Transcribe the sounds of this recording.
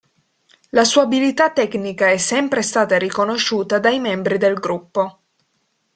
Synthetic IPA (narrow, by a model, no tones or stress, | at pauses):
lasuːabilit̪at̪ːɛknikaɛsːɛmpɾest̪aːt̪aɾikonoʃːuːt̪ad̪ajmɛmbɾid̪elɡɾupːo